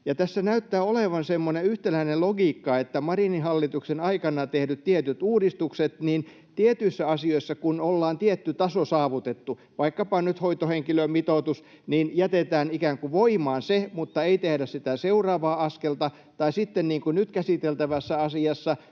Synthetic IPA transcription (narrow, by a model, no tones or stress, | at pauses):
jɑt̪æsːænæyt̪ːæːoleʋɑnsemːoneyht̪elæineloɡiːkːɑet̪ːæmɑrinihɑlːit̪uksenɑikɑnɑt̪ehdyt̪t̪iet̪yt̪uːdist̪ukset̪niːn | t̪iet̪yisːæɑsioisːɑkunolːɑːnt̪iet̪ːyt̪ɑsosɑːʋut̪et̪ːu | ʋɑikːɑpɑnnyt̪hoit̪oheŋkilømmit̪oˑt̪us | niːnjæt̪et̪æːnikæːŋkuʋoimɑːnsemut̪ːɑeit̪ehdæssit̪æseurɑːʋɑːɑskelt̪ɑ | t̪ɑisit̪ːenniːŋkunyt̪kæsit̪elt̪æʋæsːæɑsiɑsːɑ